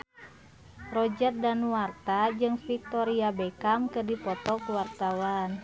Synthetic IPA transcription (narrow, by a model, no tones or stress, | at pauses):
rɔd͡ʒərt̪̚danuart̪ad͡ʒɨŋfik̚t̪ɔɾiabɛkamkərdipɔt̪ɔkuwart̪awan